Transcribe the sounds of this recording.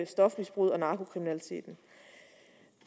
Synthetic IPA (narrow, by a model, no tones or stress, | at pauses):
sd̥ɒ̽fmisb̥ʁuð̰ˠɒ̽nɑ̈ːkʰo̝kʰʁiminælit͡sʰe̝̰ːd̥n̩